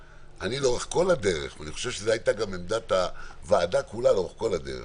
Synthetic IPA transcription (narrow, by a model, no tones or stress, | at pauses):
ʔaniloʁeχko̞lade̞ʁḛχvaniχoʃevʃezeait̪aɡamemd̪at̪avaːd̪akulaloeχko̞lad̪e̞̰ʁḛ